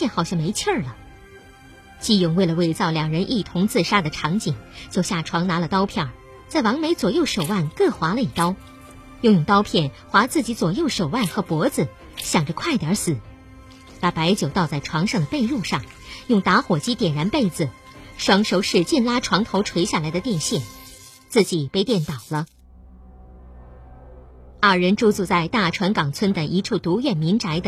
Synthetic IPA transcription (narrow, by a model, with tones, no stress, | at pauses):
jɛ˥˧nxɑ˨˩ʊɕjɑ˥˩ŋme˧˥ɪt͡ɕʰjə˥˩lə˩ | t͡ɕi˥˧jʊ˥˩ŋwe˥˩ɪlə˩we˥˩ɪt͡sɑ˥˩ʊljɑ˨˩ŋɻə˧˥nʔi˥˩t̪ʰʊ˧˥ŋt͡sɹ̩˥˩ʂa˥d̪ə˨ʈ͡ʂʰɑ˧˥ŋt͡ɕi˨˩ŋt͡ɕjo˥˧ʊɕja˥˩ʈ͡ʂʰwɑ˧˥ŋna˧˥lə˨t̪ɑ˥ʊpʰjɑ˥˩ | t͡sa˥˩ɪwɑ˧˥ŋme˧˥ɪt͡swɔ˨˩jo˥˩ʊʂo˨˩ʊwa˥˩nkɤ˥˩xwa˧˥lə˧i˨˩t̪ɑ˥ʊ | jo˥˧ʊjʊ˥˩ŋt̪ɑ˥ʊpʰjɛ˥˩n | xwa˧˥t͡sɹ̩˥˩t͡ɕi˧˥t͡swɔ˨˩jo˥˩ʊʂo˨˩ʊwa˥˩nxɤ˧˥pwɔ˧˥d͡zɹ̩˨ | ɕjɑ˨˩ŋʈ͡ʂə˧˦kʰwa˥˩ɪt̪jɑ˨˧˥sɹ̩˨˩˦ | pa˧˥pa˧˥ɪt͡ɕjo˨˩ʊt̪ɑ˥˧ʊt͡sa˥˩ɪʈ͡ʂʰwɑ˧˥ŋʂɑ˥˩ŋd̪ə˩˧pe˥˧ɪɻu˥˧ʂɑ˥˩ŋ | jʊ˥˩ŋt̪a˧˥xwɔ˨˩t͡ɕi˥t̪jɛ˨˩nɻa˧˥npe˥˩ɪd͡zɹ̩˩ʂwɑ˥ŋʂo˧˥ʊʂɻ̩˥˧t͡ɕi˥˩nla˥ʈ͡ʂʰwɑ˧˥ŋt̪ʰo˧˥ʊʈ͡ʂʰwe˧˥ɪɕja˥˩la˧˥ɪd̪ə˧t̪jɛ˥˧nɕjɛ˥˩n | t͡sɹ̩˥˩t͡ɕi˨˩pe˥˧ɪt̪jɛ˥˩nt̪ɑ˨˩ʊlə˦ | ɐ˥˩ɻə˧˥nʈ͡ʂu˥t͡su˧t͡sa˥˧ɪt̪a˥˩ʈ͡ʂʰwa˧˥nkɑ˨˩ŋt͡sʰwə˥nd̪ə˨ʔi˧˥ʈ͡ʂʰu˥˩t̪u˧˥ɥɛ˥˩nmi˧˥nʈ͡ʂa˧˥ɪd̪ə˧